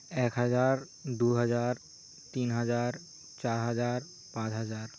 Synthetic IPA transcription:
ekɦəd͡ʒaɾ | d̪uɦəd͡ʒaɾ | t̪inɦəd͡ʒaɾ | t͡ʃaɾɦəd͡ʒaɾ | pãt͡ʃɦəd͡ʒaɾ

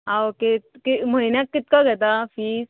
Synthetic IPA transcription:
awket̪kiməinjak̪̚kit̪̚kaɡʱɛt̪afiːs

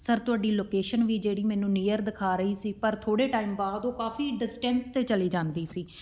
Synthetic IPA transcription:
səɾt̪ʊaːɖiːloːkeːʃənʋiːd͡ʒeːɽiːmɛ̃ːnũːniːjəɾd̪ɪkʰaːɾəiːsiːpəɾt̪ʰoːɽeːʈaːiːmbaːd̪õːkaːfiːɖɪsʈɛnst̪eːt͡ʃəliːd͡ʒãːnd̪iːsiː

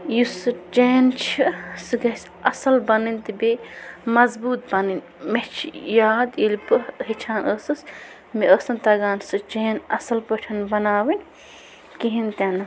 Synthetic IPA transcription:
jusɨt͡ʃeːnt͡ʃʰisɨɡɐsʲ | ɐsɐlbɐnɨnʲt̪ɨbemɐzbuːt̪̚bɐnɨnʲ | met͡ʃʰijaːd̪ilʲpɨɦit͡ʃʰaːnəːsɨs | miʔəːsɨnt̪ɐɡaːnsɨt͡ʃeːnɐsɐlpəʈʰɐnbɐnaːwin | kiɦint̪ʲanɐ

